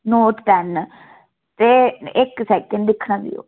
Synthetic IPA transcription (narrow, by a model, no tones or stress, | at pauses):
noːʈʈɛn | t̪eːɪksɛːkə̃nɖd̪ɪkʰnãːɡḭo̰ː